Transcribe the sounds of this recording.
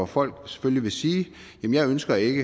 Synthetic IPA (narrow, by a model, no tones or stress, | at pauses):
ɒfɒ̽l̰ɡ̥se̥følliʋe̝siːjemənjɑɪønsɡ̥ɐe̝ɡ̥ə